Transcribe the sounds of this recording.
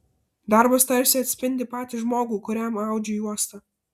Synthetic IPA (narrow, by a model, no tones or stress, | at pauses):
d̪ɑɾbɐst̪ɐɾʲsʲɪɐt̪ʲsʲpʲɪnʲd̪ʲɪpɑːt̪ʲɪʒmoːɡuːkʊɾʲɛmɑˑʊd͡ʒʲɛjuɔst̪ɐ